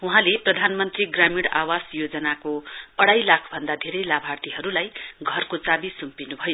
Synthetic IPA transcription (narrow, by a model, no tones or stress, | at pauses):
uɦãleprʌd̪ʱanmʌnt̪riɡramiɽawasjod͡zʌnakoʌɽajlakʰbʱʌnd̪ad̪ʱeɾʌjlabʱart̪iɦʌɾulajɡʱʌrkot͡sabisumpinubʱʌjo